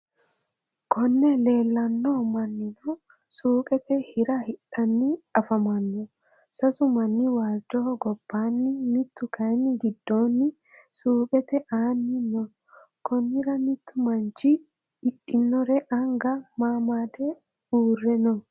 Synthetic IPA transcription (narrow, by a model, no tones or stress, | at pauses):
kɔnːɛle̞ːlːɐnːoːmɐnːɪnɔ | suːkʼɛt̪ɛhɪɾɐhɪᶑɐnːɪɐfɐmɐnːɔ | sɐsʊmɐnːɪwaːld͡ʒɔhɔɡɔb̥ːaːnːɪmɪt̪ːʊkɐjnːɪɡɪd̪ːo̞ːnːɪ | suːkʼɛt̪ɛʔaːninːɔ | kɔnːɪɾɐmɪt̪ːʊmɐnt͡ʃɪ | ɪᶑɪnːɔɾɛʔɐŋɡɐmaːmaːd̪ɛ | uːrːɛnɔ